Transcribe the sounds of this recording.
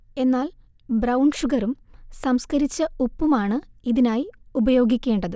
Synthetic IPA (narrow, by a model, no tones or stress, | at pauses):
e̞nːaːl | bɾɐwɳɖʂuɡɐɾumsɐmskɐɾit͡ɕːɐupːumaːɳɨiðinaːjiubɐjo̞ːɡikʲːe̞ːɳɖɐðɨ